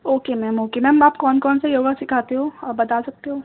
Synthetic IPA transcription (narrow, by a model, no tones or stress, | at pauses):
oːkemɛːmoːkemɛːmaːpkɔːnkɔːnsajoːɡasɪkʰaːt̪eɦõːɔːɾbɐt̪aːsɐk̚t̪eɦõː